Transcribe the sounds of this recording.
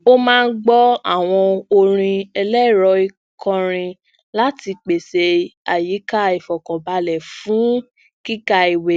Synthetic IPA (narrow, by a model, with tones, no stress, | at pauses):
o˦mãː˦˧n̩˦ɡ͡bɔ˦a̰˦˨w̃ɔ̃˧o˧ɾ̃ĩ˧ɛ˧lɛ˦˨ɾɔ˧˦i˧ | kʰɔ̃˧ɾ̃ĩ˧ | la˦ti˧k͡pe˨se˧a˨ji˨˦ka˦i˨fɔ˨kɔ̃˨ba˧lɛ˨fũ˨˦ | ki˦ka˧i˨we˨